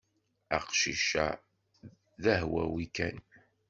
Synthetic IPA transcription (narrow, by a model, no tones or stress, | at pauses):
æqʃiʃa̰ | ðæɦwæ̰wikæn